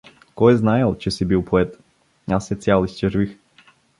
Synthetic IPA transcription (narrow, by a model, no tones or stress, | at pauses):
kɔjɛznaɛlˠt͡ʃɛsibilˠpʰɔɛt̪ | asɛt̪sʲjalˠist͡ʃɛʒvix